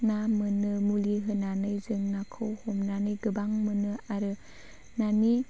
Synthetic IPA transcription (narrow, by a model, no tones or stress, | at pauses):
namɯnɯmuliɦɯnanɯjzɯŋnakʰɯwhomnanɯjɡɯbaŋmɯnɯaɾɯ | nani